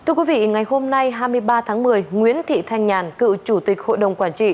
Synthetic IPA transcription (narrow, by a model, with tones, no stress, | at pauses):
t̪ʰɨ˧əkwi˨˦vḭ˧˨ŋa˨˩jho˧mna˧jɦaː˧jmɨ˧əjɓaː˧t̪ʰaː˨˦ŋmɨ˨˩əjŋwḭ˧˦˥ənt̪ʰḭ˧˨t̪ʰa˧jŋɲaː˨˩nkɨ̰˧˨t͡ɕu˧˩t̪ï˨˩k̟̚ho̰˧˨jɗə˨˩wŋ͡mkwaː˧˩nt͡ɕḭ˧˨